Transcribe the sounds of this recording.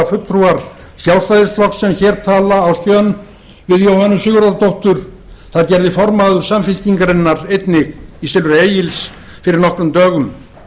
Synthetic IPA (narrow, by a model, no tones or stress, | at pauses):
afʏt̪ɾuaɾ̥ | sjawst̪ajðɪst̪lɔksɛmçɛːɾt̪ʰaːlaːwscœn | vɪðjoːwhanːʏsʏːɣʏɾaðat̪ʰowht̪ʏɾ̥ | θaðcɛɾðɪfɔɾmaðʏ̥samfɪlciŋkaɾenːaɾejt̪nɪɣisɪlvʏɾeːjɪls | fɪɾɪɾnɔhkɾʏmt̪œːɣʏm